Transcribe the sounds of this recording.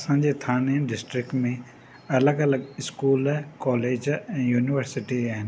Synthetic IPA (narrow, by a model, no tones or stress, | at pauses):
ɐsãːɲd͡ʑet̪ʰaːneɖɪsʈɾɪkʈmẽ | ɐləɡɐləɡɪskuːlkɔːleːd͡ʑɛ̃ːjuːnɪʋəɾsɪʈiaːɦɪnɪ